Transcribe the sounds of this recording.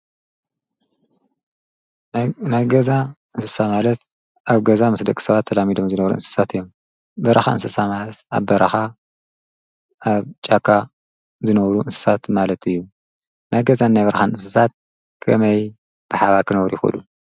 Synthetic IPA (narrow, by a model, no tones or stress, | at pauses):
najɡɐzaʔɨnsɨsamalɐt̪ | aβɡɐzamɨsd̪ɐkʼi̥sɐβat̪ʰːɐlamid̪omzɨnɐβɾṵʔɨ̰nsɨ̥sat̪ɨjːo̞m | bɐɾɐxa̰ɨ̰nsɨsamalɐt̪a̰βbɐɾʔɐxa | ʔaβt͡ʃʼakʰːa | zɨnɐβɾuʔɨnsɨ̥sat̪malɐt̪ɨjːu | najɡɐzanːajβɐɾɐxanɨnsɨsat̪̚ | kʰɐmɐj | b̥ɨħaβaɾkʰɨnɐwɾjɪxɨ̰lu